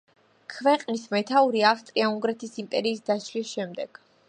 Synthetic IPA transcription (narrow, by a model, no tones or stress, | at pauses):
kʰvɛqʼnismɛt̪ʰauɾiafst̪ʼɾiauŋɡɾɛt̪ʰisimpʼɛɾiːsd̪aʃlisʃɛmd̪ɛɡ̥